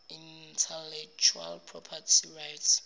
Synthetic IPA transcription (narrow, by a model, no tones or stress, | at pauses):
intʰɛlɛk̚t͡ʃʰua̰lpʰrɔpʰatʰirajts